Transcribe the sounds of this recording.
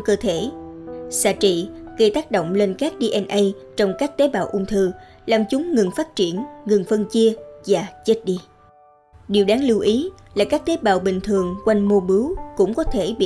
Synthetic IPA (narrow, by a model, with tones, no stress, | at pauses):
kəː˧t̪ʰe˧˩sa̰ː˧˨t͡ɕḭ˧˨ɣə˧jt̪aː˦˥k̚ɗo̰˧˨wŋ͡mle˧nkaː˦˥k̚ɗi˧ʔɛ˧nʔə˧j | t͡ɕɔ˧wŋ͡mkaː˦˥k̚t̪e˨˦ɓaː˨˩wʔʊ˧ŋ͡mt̪ʰɨ˧˩ | laː˨˩mt͡ɕʊ˨˦ŋ͡mŋɨ˨˩ŋfaː˦˥t̚t͡ɕi˧˩ənŋɨ˨˩ŋfə˧nt͡ɕi˧əvaː˨˩t͡ɕe˦˥t̚ɗi˧ | ɗi˨˩əwɗaː˨˦ŋlɨ˧wʔi˨˦laː˨˩kaː˦˥k̚t̪e˨˦ɓaː˨˩wɓï˨˩ŋ̟t̪ʰɨ˨˩əŋkwa˧jŋ̟mo˧ɓɨ˨˦wkʊ̰˧˥ŋ͡mkɔ˨˦t̪ʰe˧˩ɓḭ˧˨